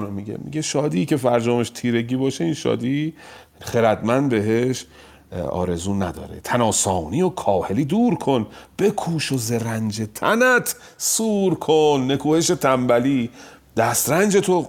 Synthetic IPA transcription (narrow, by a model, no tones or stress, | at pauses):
nomiɟḛmḭɡeʃɒːd̪iːcʰe̞fæɾd͡ʒɒːmeʃt̪ʰiːɾe̞ɟiːbɒːʃe̞inʃɒ̰ːd̪iː | χeɾæd̪mænd̪̚be̞ɦeʃ | ɒ̰ːɾe̞zuːnæd̪ɒ̰ːɾḛt̪ʰænɒːsɒːniːokʰɒːhe̞liːd̪uːɾkʰo̞nb̥e̞kʰuːʃozeɾænd͡ʒet̪ʰæ̰næt̪ʰ | suːɾkʰonːe̞kʰuːhe̞ʃe̞t̪ʰæmbæliːd̪̥æst̪ɾænd͡ʒe̞t̪ʰo